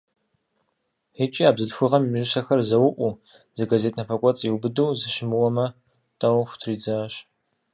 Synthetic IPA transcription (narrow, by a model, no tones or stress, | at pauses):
et͡ʃʼiaːbzɨdxʷʊʁɐmimiʒɨɕɐxɐrzɐwʊʔʷʼu | zɐɡazeːtʰʼnɐpʰɐkʷʼɔt͡sʼiwbɨduwzɨʃɪmɨwɔmɐ | tʼɐwxʷʊ̥tʰriːd͡zɐɕ